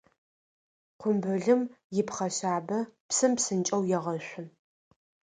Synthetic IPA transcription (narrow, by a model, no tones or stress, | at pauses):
qʷʊmbɨɮɨmjɪpχɐɕaːbɐpsɨmpsɨnt͡ʃʼɐwjɛʁɐɕʷʊn